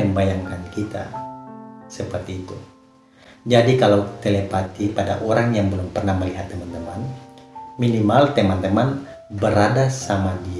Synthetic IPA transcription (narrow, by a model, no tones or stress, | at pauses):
əmbajaŋkankit̪a̰ | səpərt̪iːt̪u | d͡ʒadikalawt̪elepat̪ipada̰ʔoɾaŋjaŋbəlʊmpərnahməliɦat̪ːəmant̪əman | minimalt̪əmant̪əman | bəɾadasamadi